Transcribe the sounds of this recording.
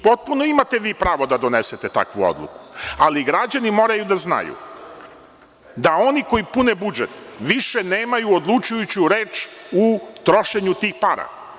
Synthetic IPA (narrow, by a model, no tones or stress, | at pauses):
po̞t̪̚punoimat̪e̞ʋiːpɾaːʋo̞d̪ad̪o̞nese̞t̪e̞t̪a̰kʋuo̰d̪lˠṵku̥aliɡɾad͡ʑanimo̞ːɾajud̪azna̰jṵ | d̪ao̞niko̞jipunebud͡ʒet̪ʋiʃeneːmajuod̪lˠut͡ʃujut͡ɕuɾe̞ːt͡ʃut̪ɾo̞ʃe̞ɲut̪iːxpaːɾa̰